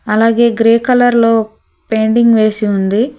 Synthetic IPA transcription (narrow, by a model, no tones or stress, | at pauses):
ɐlaːɡe̞ːɡɾeːkɐlɐɾlo̞ː | pe̞ːɳɖiŋɡʋe̞ːsiund̪i